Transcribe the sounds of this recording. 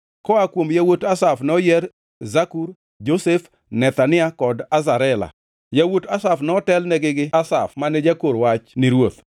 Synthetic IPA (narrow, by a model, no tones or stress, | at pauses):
kɔakwomjawotasafnɛɔjɛr | zakuɾ | d͡ʒosef | nɛt̪anɪakɔdazaɾɛla̰ | jawotasafnɛɔtɛlnɛɡɪɡɪasafmanɛd͡ʒakoɾwat͡ʃnɪɾwot̪